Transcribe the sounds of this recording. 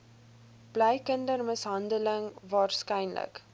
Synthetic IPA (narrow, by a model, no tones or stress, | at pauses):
b̥lɛjkəndərməsɦɐndələŋvɑːrskɛjnlə̰k